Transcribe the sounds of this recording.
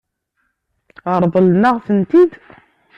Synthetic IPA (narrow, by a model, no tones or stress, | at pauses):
əɾˤðˤəlnəʁθənt̪id̪